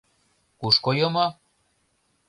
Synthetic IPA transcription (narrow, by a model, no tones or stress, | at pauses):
uʃkojɤmɑ